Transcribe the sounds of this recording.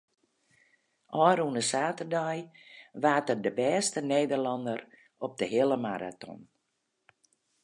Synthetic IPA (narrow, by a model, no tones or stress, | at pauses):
ʔɔːɾunəsaːtərdɔjʋaːtərdəbɛːstəneːdərlɑndər | ɔp̚dəɦɪəlˠəmaɾa̰tʰɔ̰n